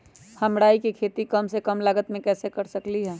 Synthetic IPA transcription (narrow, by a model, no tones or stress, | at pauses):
hɐmɽaːikikʰeːt̪ikɐmsekəmləɡət̪mẽkɛːsekɐɾsɐkliɦɛː